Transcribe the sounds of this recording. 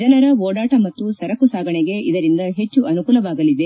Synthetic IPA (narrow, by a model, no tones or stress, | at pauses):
d͡ʒɐlɐɾɐoːɽaːʈɐmɐt̪ːusɐɾɐkusaːɡɐɳeɡe̞ʔid̪ɐɾind̪ɐɦe̞t͡ʃːuʔɐnukuːlɐʋaːɡɐlid̪e